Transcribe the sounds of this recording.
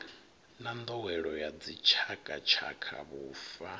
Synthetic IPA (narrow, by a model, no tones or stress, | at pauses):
nand̪ɔwɛɺɔjad͡zit͡ʃʰakʼat͡ʃʰa̰kʰa̰βuːfa